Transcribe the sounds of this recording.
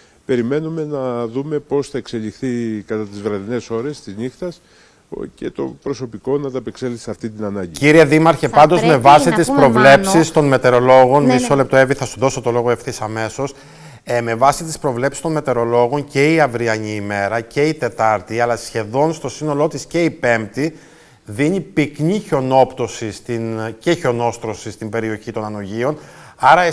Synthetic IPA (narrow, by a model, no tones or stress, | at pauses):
pe̞ɾime̞nume̞nɐðume̞po̞sθɐekse̞ʎixθikɐt̪ɐt̪izvɾɐðine̞so̞ɾe̞st̪iznixt̪ɐs | ce̞̰t̪o̞̰pɾo̞so̞piko̞nɐt̪ɐpekseliseɐft̪int̪inɐnɐɲɟiciɾieðimɐɾçepɐnd̪o̞zme̞vɐsit̪ispɾo̞vle̞psist̪o̞nme̞t̪e̞ɾo̞lo̞ɣo̞nmisole̞p̚t̪oe̞viθɐsuðo̞so̞t̪o̞lo̞ɣoefθisɐme̞so̞s | me̞vɐsit̪ispɾo̞vle̞psi̥st̪o̞nme̞t̪e̞ɾo̞lo̞ɣo̞ɲce̞iɐvɾiɐɲiːme̞ɾɐce̞it̪e̞t̪ɐɾt̪iɐlɐsçe̞ðo̞nst̪o̞sino̞lo̞t̪isce̞ipe̞mpt̪i | ðiɲipikɲiço̞no̞pt̪o̞sist̪ince̞ço̞no̞st̪ɾo̞sist̪imbe̞ɾio̞çit̪o̞nɐno̞ʝio̞nɐɾɐ